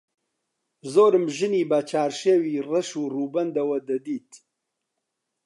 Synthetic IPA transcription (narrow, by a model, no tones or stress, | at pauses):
zoːɾɨmʒɨniːbɐt͡ʃʰaːɾʃeːwiːrɐʃuːruːbɐnd̪ɐwɐd̪ɐd̪iːt̪